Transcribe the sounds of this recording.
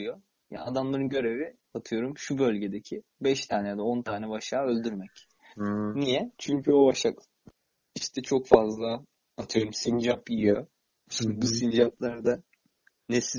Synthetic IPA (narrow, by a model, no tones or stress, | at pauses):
jo | ja̰ad̪amlˠaɾɯnɟø̞ɾe̞vi | at̪ʰɯjo̞ɾumʃubø̞lʲɟe̞d̪ecʰibɛʃt̪ʰaːnɛjad̪ao̞nt̪ʰaːnɛbaʃaːø̞lʲd̪yɾmɛc | nijɛt͡ʃʰyɲcʰyo̞baʃak | iʃt̪ʰɛt͡ʃʰo̞kfazlˠaː | t̪ʰɯjo̞ɾumsind͡ʒapiijo | subusind͡ʒap̚lˠaɾad̪a | nesi